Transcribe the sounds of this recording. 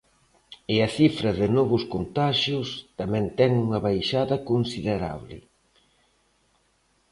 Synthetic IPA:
ɪɐθifɾɐðɪnɔβʊskont̪aʃjʊst̪amɛ̃nt̪ɛŋuŋɐβajʃaðɐkonsiðeɾa̰βlɪ̰

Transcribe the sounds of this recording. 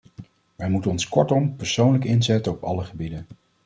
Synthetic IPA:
ʋɛjmutənɔnskɔɹtɔmpəɹsownləkɪnzɛtəɔpɑ̰ləχəbidən

